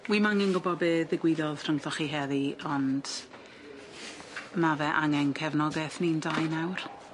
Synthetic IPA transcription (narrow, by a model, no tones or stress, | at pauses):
wiːmaŋɛnɡʊbɔbeːðɪɡwɪðɔðʰr̥əŋθɔχiɦɛðiɔnd̥ | mavɛʔaŋɛnkʰɛvnɔɡɛθnindajnawr